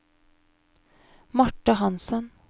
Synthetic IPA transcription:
mɔʈːəɦɑnsən

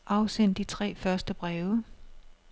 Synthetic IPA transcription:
ʔɑ̈ʊsen̰d̥it͡sʰʁɛ̰ːfɶɐsd̥əb̥ʁɛːʊə

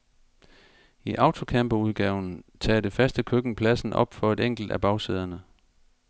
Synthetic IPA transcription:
iʔɑ̈ʊt͡sʰo̝kʰæmb̥ouð̞ˠɡ̥ɛːʊn̩t͡sʰɛ̰ːd̥e̝fæsd̥əkʰøɡ̥n̩pʰlæsn̩ɒ̽b̥fɒ̽e̝d̥eŋ̰ɡ̥l̩d̥æb̥ɑ̈ʊseðˠɐnə

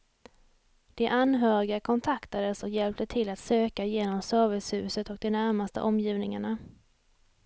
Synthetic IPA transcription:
d̪̥ɛʔanɦœːɾɪɡakʰɔnt̪ʰakt̪ad̪əsɔkjɛlp̚t̪ət̪ʰɪlat̪søːkajeːnɔmsœːɾvɪshʉ̟ːsət̪ɔk̚d̪ɛnæɾmast̪ə̰ʔɔmjiːvnɪŋaɳa

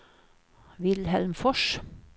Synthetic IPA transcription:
ʋɪlhɛlmfɔʃ

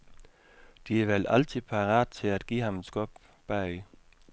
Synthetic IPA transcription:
d̥iæɐʋelʔælt͡sʰipʰɑʁɑ̰ːd̥t͡sʰe̝læd̥ɡ̥ḭːhɑmesɡ̥ɔb̥ | b̥æi

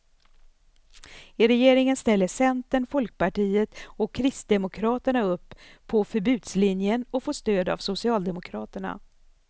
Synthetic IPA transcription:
ɪɾɛjeːɾɪŋənst̪ɛlːəʂɛnt̪əɳfɔlk̚pʰaʈiːət̪ɔkʰːɾɪst̪̚d̪ɛmʊkʰɾɑːt̪əɳaɵpʰːɔfœɾbʉ̟ːd̪slɪnjənɔfoːʂt̪øːd̪a̰vsʊsɪɑːld̪ɛmʊkʰɾɑːt̪əɳa̰

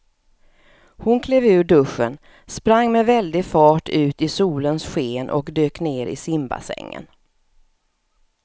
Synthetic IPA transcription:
hʊnkʰleːvʉ̟ːɖɵʂːən | spɾaŋːmɛvɛld̪ɪfɑːʈʰʉ̟ːt̪ɪsuːlənsɧeːnʔɔ̰kd̪øːkneːɾɪ̰sɪmba̰sɛ̰ŋːə̰n

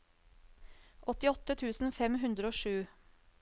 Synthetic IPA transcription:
ʔɔt̪ɪɔt̪ət̪ʰʉːsn̩fɛmɦʉnd̪ɾəoːʃʉː

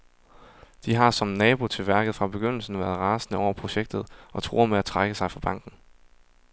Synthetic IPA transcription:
d̥iɦɑ̈sɒ̽mnɛːb̥o̝t͡sʰe̝lʋæɐɡ̥əð̞̩ˠfʁɑ̈b̥e̝ɡ̥øn̰l̩sn̩ʋæːɐð̩ˠʁɑ̈ːsənəɒʊ̰ɐpʰʁo̝ɕeɡ̥̚d̥ð̩ˠʔɒ̽t͡sʰʁo̝̰ːɐmeæt͡sʰʁaɡ̥əsɑ̈ɪfɑ̈b̥ɑ̈ŋ̰ɡ̥n̩

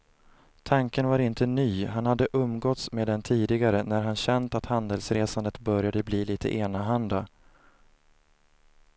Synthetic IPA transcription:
t̪ʰaŋkənvaɾɪnt̪ənyːɦanhad̪ːəʔɵmːɡɔt̪smeːd̪ɛnt̪ʰiːd̪ɪɡaɾənæɾɦanɕɛnt̪at̪hand̪əlsɾeːsand̪ət̪bœɾjad̪əbliːliːt̪ʰə̰ʔeːnaɦand̪a

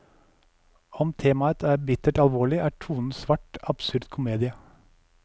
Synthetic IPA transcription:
ɔmt̪ʰeːmɑət̪ʰæːɾbɪt̪əʈɑlʋoːɭɪʔæːʈʰuːnn̩sʋɑʈɑb̥sʉɾd̪kʰʊmeːd̪ɪə

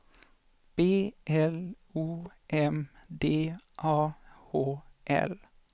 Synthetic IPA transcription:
b̥eːʔɛl | uːʔɛmd̪eːʔɑːhoːʔɛ̰l

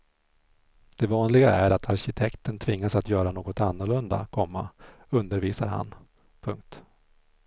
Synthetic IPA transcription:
d̪̥ɛvɑːnlɪɡaæɾat̪ʰaɾɕɪt̪ʰɛkt̪ənt̪ʰvɪŋːasat̪jœːɾanoːɡɔt̪anːʊɭɵnd̪a̰kʰɔmːa̰ | ɵnd̪əɾviːsa̰ɾɦa̰n | pʰɵŋk̚t̪

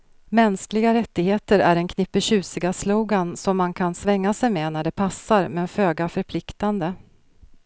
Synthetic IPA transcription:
mɛnsklɪɡaɾɛt̪ːɪɡheːt̪əɾæ̰ɖɛnkʰnɪpːəɕʉ̟ːsɪɡasloːɡansɔmːankʰansvɛŋːasɛjmenæɖɛpʰasːaɾmɛføːɡafœɾpʰlɪkt̪and̪ə

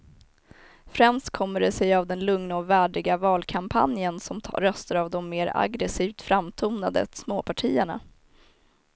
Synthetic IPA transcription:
fɾɛmst̪̚kʰɔmːəɖɛsɛjavd̪ɛnlɵŋnaɔvæːɖɪɡavɑːlkʰampʰa̰njənsɔmɾœst̪aɾavd̪ɔmːeːɾa̰ɡɾɛsiːvt̪fɾamːt̪ʰuːnad̪ə̰smoːpʰaʈʰiːəɳa̰

